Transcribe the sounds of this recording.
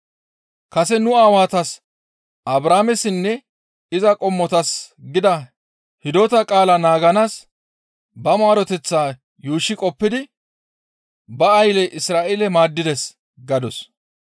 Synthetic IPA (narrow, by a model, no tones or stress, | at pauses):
kɐsɛnʊaːwaːt̪ɐs | ɐbɾaːmɛsɪnːɛ | ɪzɐkʼɔmːɔt̪ɐsɡɪd̪ɐ | hɪd̪oːt̪ɐkʼaːlɐnaːɡɐnaːs | bɐmaːɾɔt̪ɛt͡sːaː | juːʃːɪkʼɔpːɪd̪ɪ | bɐɐjlɛʔɪsɾaːʔɛlɛmaːd̪ːɪd̪ɛs | ɡɐd̪ɔs